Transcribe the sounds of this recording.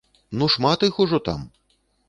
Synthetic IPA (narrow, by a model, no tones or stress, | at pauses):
nuʂmat̪ɨxuʐɔt̪a̰m